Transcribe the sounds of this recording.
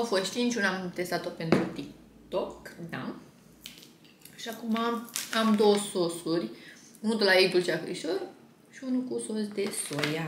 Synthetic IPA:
awfost̪t͡ʃint͡ʃʲunamt̪e̞st̪at̪ope̞nt̪ɾut̪ik̚ | t̪okd̪a̰ | ʃiakumaamd̪owəso̞surʲ | unud̪olaejbult͡ʃiafɾḭʃor | ʃiunukuso̞s̬d̪e̞soja

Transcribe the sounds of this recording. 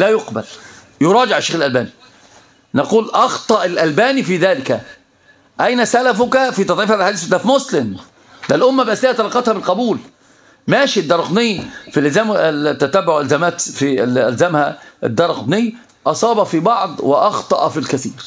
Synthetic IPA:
læːjoqbæl | joɾˤɑːd͡ʒɪʕɪʃːeːxɪlʔælbæːni | nɑquːlʔɑxt̪ˤɑʔɪlʔælbæːnifiːðæːlɪkæ | ʔæjnæsælæfʊkæfiːt̪ˤɑd̪ˤʕiːfhæːbelħad̪iːθt̪ːlæfmʊslɪm | d̪ælʔʊmːæbʔæslɪhæt̪ɑlɑːqːɑt̪hæbɪlqɑbuːl | mæːʃid̪ːɑɾˤɑq̪nɪjːfilʔɪlzæːmt̪ːæt̪æbːʊʕʔælzæmæːt̪filælzæmhæɪd̪ːɑɾˤqd̪nɪjː | ʔɑsˤɑːbɑfibɑʕd̪ˤwɪʔɑxt̪ˤɑʔfilkæθiːɾ

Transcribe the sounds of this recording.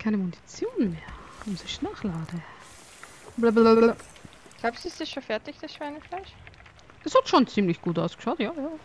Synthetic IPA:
kʰaɪnəmʊnit͡sjoːnmeːɐʊmzɪçnaːχlaːd̥ə | blablab | ɡ̥laʊpsɪstɪsʃoːnfɛɐtɪçd̥asʃv̥aɐnəflaɪʃ | ʔɛshatʃoːnt͡siːmlɪçɡ̥uːtʔaʊsɡ̥ə̥ʃaʊtjaːjaː

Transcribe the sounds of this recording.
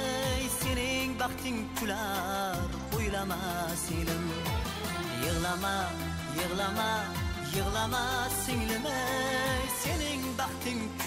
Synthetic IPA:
jsenɪŋbɑqt̪ʰɪŋk̪ʲʰylɑd̪qʰojlˠɑmɑsɪŋlɪm | jəʁlˠɑmɑ | jəʁlˠɑmɑjəʁlˠɑmɑsɪŋlɪmɪjsenɪŋbɑqt̪ʰɪŋʰ

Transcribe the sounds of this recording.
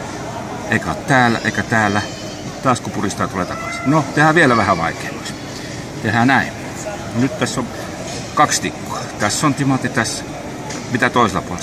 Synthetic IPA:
eˑikæo̰t̪t̪æːlæ̰ʔḛˑikæt̪æːlːˑæ | mut̪t̪ɑːskupurist̪ɑːt̪ulet̪ɑkɑsi̥not̪ehæʋielæʋæhæʋɑˑikeːmɑs | t̪ehænæˑim | nɑnyt̪t̪æsːon | kɑkst̪ikːo̥ɑ̥t̪æsːont̪imɑt̪ːit̪æs | mit̪æt̪oˑiselːˑɑpuole

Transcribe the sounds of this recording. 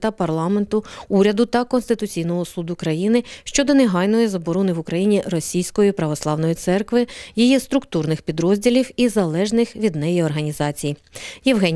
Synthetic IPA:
t̪ɐpɐrlˠɑment̪ʊuɾʲɐd̪ʊt̪ɐkɔnst̪ɪt̪ʊt͡sʲijnɔɦɔsud̪ʊkɾɐjinɪʃt͡ʃɔd̪ɔneɦɑjnɔjizɐbɔɾɔnɪʋʊkɾɐjinʲirɔsʲijsʲkɔjipɾɐʋɔslˠɑwnɔjit̪sɛrkʋɪjijist̪ɾʊkt̪urnɪxpʲid̪ɾɔzʲdʲilʲiwizɐlˠɛʒnɪxʋʲid̪nɛjiɔrɦɐnʲizɑt͡sʲijjɪʋɦɛnʲ

